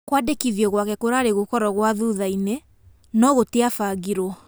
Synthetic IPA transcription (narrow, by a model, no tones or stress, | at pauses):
kwadekiðjɔɣwakɛkoɾaːɾeɣokɔɾɔɣwaðuðaine | nɔɣoteafaɣiɾɔ